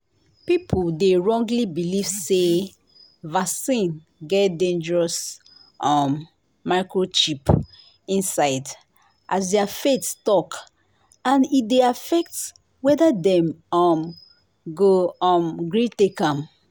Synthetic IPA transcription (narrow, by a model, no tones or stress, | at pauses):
pipʰoldeɹɔ̃ŋɡlibilivse | vasĩn | ɡɛtdẽnd͡ʒəɹɔs | ʔɔ̃mː | aɪkɹoʃip | ĩnsaɪd | ʔasdɛafetstɔk | ãnideafɛk̚t | wɛdadɛ̃mɔm | ɡoɔ̃mɡɹitekãm